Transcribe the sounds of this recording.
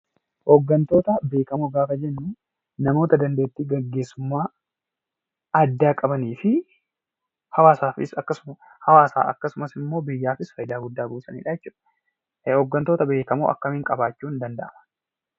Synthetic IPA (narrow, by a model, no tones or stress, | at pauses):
hɔɡːɐnt̪o̞ːt̪ɐbe̞ːkɐmoɡaːfɐd͡ʒɛnːuː | nɐmo̞ːt̪ɐd̪ɐnd̪e̞ːt̪ːiːɡɐɡːe̞ːsːʊmːaː | ɐd̪ːaːkʼɐbɐniːfɪ | hɐwaːsaːfɪ̰sɐkːɐ | hɐwaːsa̰ːʔɐkːɐsʊmɐsɪmːo̞ːbɪjːaːfɪsfɐjd̪aːɡʊd̪ːaːbuːsɐnḭːᶑɐjɛt͡ʃːuːᶑɐ̥ | hɔɡːɐnt̪o̞ːt̪ɐbe̞ːkɐmṵʔɐ̰kːɐmɪŋkʼɐbaːt͡ʃːuːnd̪ɐnd̪ɐʔɐmɐ̥